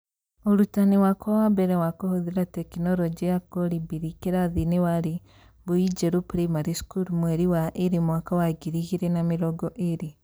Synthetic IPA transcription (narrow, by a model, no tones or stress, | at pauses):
oɾutaniwakowabeɾewakohoðiɾatekinoɾod͡ʒiakoɾibiɾikeɾaðinewaɾi | βuid͡ʒeɾupɾemaɾiskuɾmweɾiwaʔiɾimwakawaɡiɾiɣiɾenamiɾoɡoʔeɾi